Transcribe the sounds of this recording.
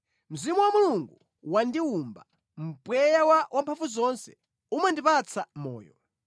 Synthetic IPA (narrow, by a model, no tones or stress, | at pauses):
m̩zimuwamuluŋɡu | wandiumba | m̩pwɛjawawʔampʰaɱfuzɔnsɛ̥ | umandipat͡sʰamɔ̰ːjɔ̰